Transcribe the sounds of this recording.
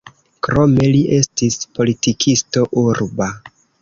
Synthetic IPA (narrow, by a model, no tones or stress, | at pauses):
kɾo̞me̞liʔe̞stispo̞litikʰisto̞ʔuɾba